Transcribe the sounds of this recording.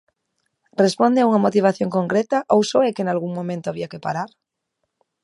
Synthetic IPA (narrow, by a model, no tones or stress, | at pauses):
respond̪eauŋamot̪iβ̞aθjoŋko̞ŋkɾet̪aʔowsoekenalɣ̞uŋmõmẽnt̪oaβiakepaɾaɾ